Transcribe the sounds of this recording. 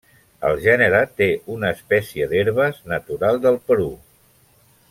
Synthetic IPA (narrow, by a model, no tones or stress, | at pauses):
ə̰lˠʒɛnəɾət̪eʔunəːspɛsiəd̪eɾβəznət̪uɾalˠd̪əlˠpəɾu